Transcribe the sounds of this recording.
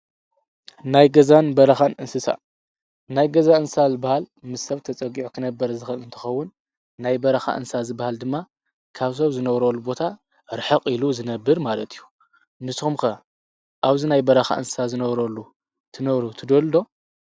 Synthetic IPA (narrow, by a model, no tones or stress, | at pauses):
najɡɐzanbɐɾɐxanʔɨnsɨsa̰ | najɡɐzaɨnsazɨbahalmɨsːɐβt̪ʰɐt͡sʼɐɡiʕokʰɨnɐbːɐɾɐzɨxɐlɨnt̪ʰɨ̥xɐwːʊnː | ajbɐɾɐxa̰ʔɨ̰nsazɨbːahald̪ɨmːa | kʰaβs̬ɐβzɨnɐβɾolːubo̞t̪ʰa | ɾɨħɨqʼiluzɨnɐbːɨɾmalɐt̪ʰijːu | nɨsumkɐ | ʔaβzinajbɐɾɐxa̰ʔɨnsɨsazɨnɐβɾolːu | t̪ʰɨnɐβɾut̪ʰɨd̪old̪o̞